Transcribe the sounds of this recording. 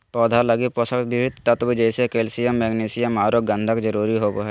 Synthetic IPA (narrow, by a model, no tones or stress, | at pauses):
pɔːd̪ʱalɐɡiposəkbɪʋɪd̪t̪ət̪bd͡ʒɛːsekeːlsɪjəmːeɡneːsɪjəmaːɾoɡə̃nd̪ʱəkd͡ʒəɾuːɾiɦoːboɦɛ